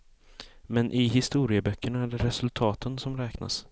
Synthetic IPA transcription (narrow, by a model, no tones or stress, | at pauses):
mɛnʔɪɦɪst̪uːɾɪəbœkːəɳaæɖɛɾɛsɵlt̪ʰɑːt̪ʰənsɔmɾɛːkna̰s